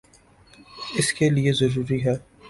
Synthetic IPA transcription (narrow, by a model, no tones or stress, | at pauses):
ɪskeliezɐɾuːɾiɦɛː